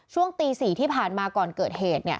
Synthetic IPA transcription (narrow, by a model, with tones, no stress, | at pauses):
t͡ɕʰu˥˩əŋt̪iː˧siː˨˩t̪ʰiː˥˩pʰaː˨˩nmaː˧kɔː˨˩nkɤː˨˩t̪̚heː˨˩t̪̚ni˥˩ə